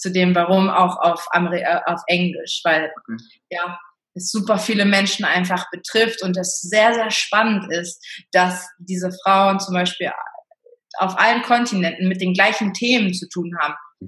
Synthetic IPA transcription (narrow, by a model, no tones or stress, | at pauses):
t͡sudeːmvaʁ̞ʊma̰ʊxa̰ʊfʔa̰məʁiʔa̰ʊfʔɛŋlɪ̰ʃv̥aɪl | jaː | ɛsz̥uːpɐfiːləmɛnʃn̩ʔaɪnfaχb̥ətʁ̥ɪftʊnt̬ɛsz̥eːɐzeːɐʃpanəntɪst̚d̥asd̥iːzəfʁ̥aʊənt͡sʊmbaɪʃpiːl | a̰ʊfʔa̰lənkʰɔntʰinɛntn̩mɪt̚d̥eːnɡlaɪçn̩tʰeːmənt͡sutʰuːnɦaːbm̩